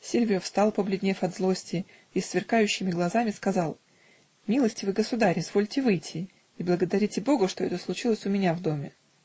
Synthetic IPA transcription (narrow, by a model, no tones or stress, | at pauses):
sʲilʲvʲɪəfst̪ɑlˠpəblʲɪdʲnʲefɐd̪zlˠo̞sʲtʲɪ | isːvʲɪrkajʉɕːɪmʲɪɡlˠɐzamʲɪskɐzɑlˠ | mʲilˠəsʲtʲɪvɨɡəsʊd̪aɾʲɪzvo̞lʲtʲɪvɨjtʲʰɪ | iblˠəɡəd̪ɐɾʲitʲɪbo̞ɡʊʂt̪oɛt̪əslˠʊt͡ɕilˠəsʲʊmʲɪnʲavd̪o̞mʲɪ